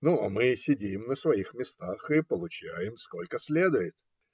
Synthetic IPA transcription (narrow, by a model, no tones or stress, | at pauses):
nuamɨsʲɪdʲimnəsvɐixmʲɪst̪axɨpəlˠʊt͡ɕæjɪmsko̞lʲkəsʲlʲe̞d̪ʊjɪt̪̚